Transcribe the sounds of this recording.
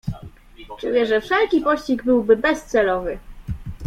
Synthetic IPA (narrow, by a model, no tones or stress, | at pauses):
t͡ʂujɛʐɛfʂɛlkʲipɔɕt͡ɕiɡbɘwbɘbɛst̪sɛlɔvɘ